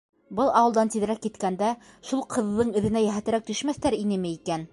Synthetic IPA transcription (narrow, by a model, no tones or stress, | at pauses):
bɤlˠɑwɤlˠd̪ɑnt̪iðɾækːit̪kænd̪æ | ʃulˠqʰɤ̆ðːɤɴɘ̆ðɘ̆næjæɦæt̪ɘ̆ɾæk̚t̪ɵ̆ʃmæθt̪æɾinɘmɘikæn